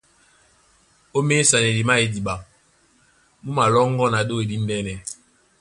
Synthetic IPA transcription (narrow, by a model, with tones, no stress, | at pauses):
o˦me˦sa˨nɛ˨li˨ma˦e˨di˨ɓa˨ | mu˦ma˨lɔ˦ŋ˦ɡɔ˦na˨do˦e˨di˦n̩˦dɛ˦nɛ˨